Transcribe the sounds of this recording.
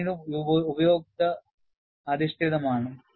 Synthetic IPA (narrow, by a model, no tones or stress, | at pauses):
iɽuubɐjoːk̚t̪ɐ | ɐd̪iʂt̪eðɐmaːɳɨ